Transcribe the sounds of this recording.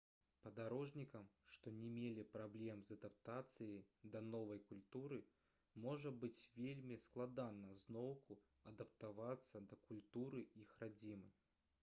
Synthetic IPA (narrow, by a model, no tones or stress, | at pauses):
pɐd̪aɾɔʐnʲikɐmʂt̪ɔnʲɛmʲelʲipɾablʲɛmzɐd̪ap̚t̪at̪sɨjɐjd̪ɐnɔvɐjkulʲt̪uɾɨ | mɔʐɐbɨt͡sʲvʲelʲmʲisklˠad̪anɐznɔwkʰu | ɐd̪ɐp̚t̪avat̪sːɐd̪ɐkulʲt̪uɾɨixrad͡zʲimɨ̰